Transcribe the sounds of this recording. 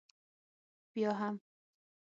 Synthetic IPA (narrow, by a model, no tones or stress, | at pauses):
b̥ijɒːɦæm